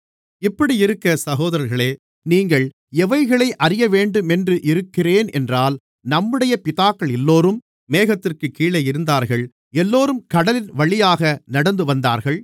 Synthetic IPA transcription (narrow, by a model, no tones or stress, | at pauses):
ɪpːɐɽiɪɾɯkːɐsɐɣoːðɐɾɐɾɣɐɭeː | niːŋɡɐɭ | ɛʋɐɪɣɐɭɐɪʔɐrɪjɐʋeːɳɖɯmɛndrɯʔɪɾɯkːɪreːnʔɛ̰ndraːl | nɐmːɯɽɐjɐpɪðaːkːɐɭɛlːoːɾɯmː | eːɣɐt̪ːɪrkɯkːiːɭɐjɪɾɯnd̪aːɾɣɐɭ | ɛlːoːɾɯmkɐɽɐlɪnʋɐɭɪjaːɣɐnɐɽɐnd̪ɯʋɐnd̪aːɾɣɐɭ